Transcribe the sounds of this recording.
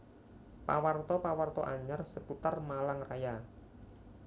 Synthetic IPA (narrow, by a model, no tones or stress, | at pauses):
pa̰wart̪ɔpawart̪ɔʔaɲarsəput̪armalaŋraja